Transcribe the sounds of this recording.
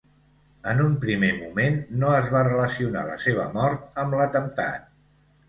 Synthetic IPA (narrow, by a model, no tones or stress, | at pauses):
ənumpɾimemumenːoəzβarələsiuna̰lə̰seβə̰mɔɾt̪̚əmlət̪əmt̪a̰t̪̚